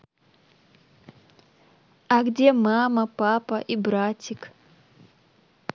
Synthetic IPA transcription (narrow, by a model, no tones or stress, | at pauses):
aɡdʲemamɐpapɐʔibɾatʲik